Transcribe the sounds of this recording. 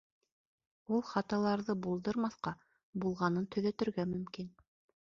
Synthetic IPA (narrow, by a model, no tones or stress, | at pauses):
ulˠχɑt̪ɑlˠɑɾðɤbulˠd̪ɤɾmɑθqɑ | bulˠʁɑnɤnt̪ʰɵ̆ðæt̪ɵ̆ɾɡæmɵ̆mkin